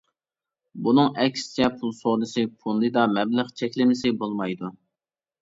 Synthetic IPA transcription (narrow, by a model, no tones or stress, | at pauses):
bunɨŋɛkʲst͡ʃʰɛpʰulˠsoʁd̪ɨsɨpʰund̪ɨd̪ɑmɛblɪχt͡ʃʰɛkʲlɪmɪsɪbolˠmɑjd̪u